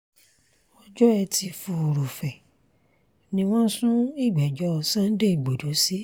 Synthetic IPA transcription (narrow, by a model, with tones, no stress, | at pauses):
wɔ̃˦d͡ʒɔ˦ɛ˧tʰi˧fu˧o˨ɾo˨fɛ˨ | nĩ˧w̃ɔ̃˦sũ˦i˦˨ɡ͡bɛ˨d͡ʒɔ˨˦˨sã˦n̩˦de˦i˨ɡ͡bo˨do˨˦si˦